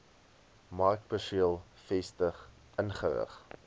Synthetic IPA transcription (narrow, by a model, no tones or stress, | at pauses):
mɐrk̚pəsiəlˠ | fɛstəχ | ʔənχərə̰χ